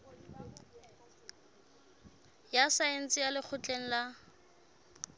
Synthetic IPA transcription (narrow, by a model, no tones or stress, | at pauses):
jasaen̩t͡sʼɪjalɪk͡xʰʊt͡ɬʼeŋ̩la